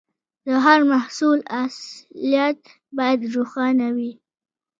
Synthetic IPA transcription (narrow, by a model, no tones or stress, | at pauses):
d̪əɦaɾmahsulaslijat̪̚ | bɑjad̪ɾuxɑnawi